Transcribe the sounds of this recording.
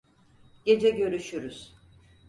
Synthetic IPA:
ɟ̥e̞d͡ʒɛɟø̞ɾyʃyɾyz̥

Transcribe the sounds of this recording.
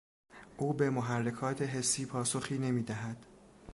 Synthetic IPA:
ʔuːbe̞moɦærːe̞kʰɒːt̪ʰe̞ɦe̞sːiːpʰɒːsoxiːne̞miːd̪æɦæd̪̥

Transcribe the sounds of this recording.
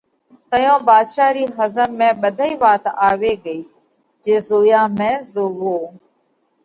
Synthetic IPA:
t̪əjõːbaːd̪ʃaːɾiːɦəzəmːẽːɓəd̪ʱəiːʋaːt̪aːʋeːɡəiː | d͡ʒeːzoːjãːmẽːzoːʋoː

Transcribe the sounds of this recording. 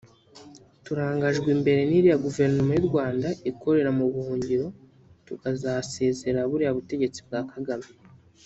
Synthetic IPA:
tuɾaːŋɡaʒɡwimbe̞ɾe̞niɾijaɡuve̞ɾnomajiɾɡwaːndaikʰo̞ɾe̞ɾamuβuhuːɲɟiɾo̞ | tuɡazase̞ːze̞ɾaβuɾiaβute̞ɟe̞t͡sibɡaːkʰaɡami

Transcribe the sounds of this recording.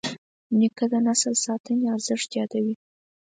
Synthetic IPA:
nikəd̪ənasəlsɑt̪əneaɾzəʂt̪jɑd̪awi

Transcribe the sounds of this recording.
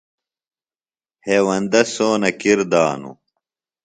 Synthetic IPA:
heːwɐnd̪ɐsoːnɐkiɾd̪aːnṵ

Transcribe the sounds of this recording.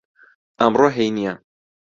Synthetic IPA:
ɐmroɦejnija

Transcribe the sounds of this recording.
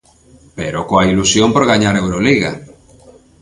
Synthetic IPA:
pḛɾokoailusjompoɾɣaɲaɾewɾoliɣa

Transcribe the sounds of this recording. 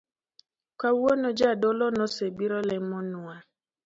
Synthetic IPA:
kawonod͡ʒadɔlɔnɔsebiɾɔlɛmɔnʊa

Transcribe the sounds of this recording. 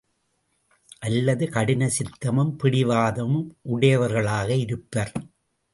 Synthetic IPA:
ʔɐlːɐðɯkɐɽɪnɐsɪt̪ːɐmɯmpɪɽɪʋaːðɐmɯmʔʊɽɐjɐʋɐɾɣɐɭaːɣɐɪɾɯpːɐɾ

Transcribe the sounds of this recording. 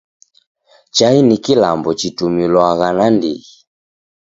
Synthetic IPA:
t͡ʃainikilambɔt͡ʃitumilwaɣanandḭɣi

